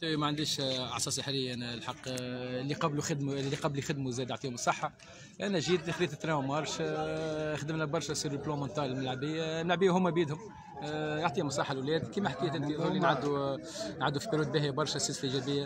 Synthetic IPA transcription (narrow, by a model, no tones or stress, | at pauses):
t̪æwimæʕand̪iːʃʔɑ̰ʕsˤɑːsəħɾɪjːnlħɑqːlːiqɑbluxɪd̪mlːiqɑblixæd̪muzɛːd̪joʕt̪iːhʊmsˤɑħːɑ | ʔænæʒiːd̪xɾiːt̪ɪt̪ːɾɛmɑɾˤʃ | xd̪əmnæbɑɾˤʃæsˤiːɾblõmɑnt̪ˤɑːlɪlmælʕabɪjːælmælʕbɪjːæhʊmːæbiːd̪hʊm | joʕt̪ˤiːhʊmsˤɑħːalwlɛːd̪kiːmæħkɪjːæt̪ɪnt̪iðˤulːinʕad̪ːu | nʕad̪ːufibiɾuːd̪̚biɦæbɑɾˤʃæsɛːsəlʔiʒɛbɪjːæ